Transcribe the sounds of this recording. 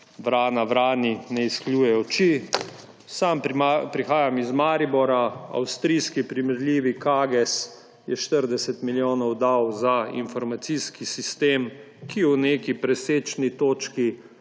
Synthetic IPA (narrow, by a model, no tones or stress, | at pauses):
ʋɾaːnaʋɾaːninɛiskljuːjɛɔt͡ʃi | samapɾixaːjamizmaːɾibɔɾaa̰wst̪ɾiːskipɾimɛɾlʲiːʋikaːɡɛs | jɛʃt̪əɾd̪ɛsɛt̪miljoːnɔwd̪awzaḭnfɔɾmat̪siskisist̪eːm | kiwnekipɾɛseːt͡ʃnit̪oːt͡ʃki